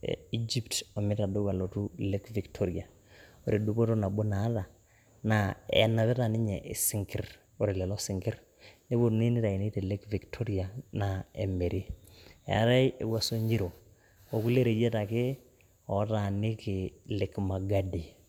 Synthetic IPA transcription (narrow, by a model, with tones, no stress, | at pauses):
i˦d͡ʒi˦ptɔ˨mɪ˦ta˨do˦ka˨lo˨tu˦le˦kvi˨ktʰɔ˦ɾia˨ | oɾi˨du˦po˦to˦na˨bo˦na˨˦ða˨ | na˨ɛ̰˨na˨βɛ˦ta˨nɪ˦ɲɛ˨ʔɪ˨sɪ˦ŋkɪ˦r | o˨ɾe˨lɛ˨lɔ˦sɪ˨ŋɡɪ˦ɾ | ne˦bo˨ni˦nɪ˦ta˨i˨ne˦te˨le˦kvi˨ktʰɔ˦ɾja˨na˨ɛ˨me˨ɾi˦ɛ̰a̰˦ɾa˦i˦e˨wa˨so˦ɲi˦ɾo˨ | o˨ku˦le˦ɾe˨jɛ˦ta˨ke˦ | ɔ˨˦ta˨nɪ˦kɪ˨lɪ˨kma˨ɡa˦di˨